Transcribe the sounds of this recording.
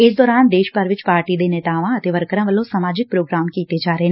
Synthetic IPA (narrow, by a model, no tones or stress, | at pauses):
ɪsd̪ɔːɾaːnd̪eːʃpaːɾʋɪt͡ʃpaːɾʈid̪eːneːt̪aːʋãət̪eːʋəɾkɾãʋəlõsamaːd͡ʒɪk̚pɾoːɡɾaːmkiːt̪ed͡ʒaːɾəɦe